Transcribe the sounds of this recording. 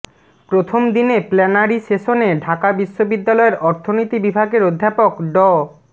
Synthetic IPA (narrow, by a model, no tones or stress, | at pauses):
pɾot̪ʰomd̪ineplɛnaɾiʃeʃoneɖʱakabiʃːobid̪ːalɔeɾʔɔɾt̪ʰonit̪ibibʱaɡeɾod̪ʱːapokɖɔ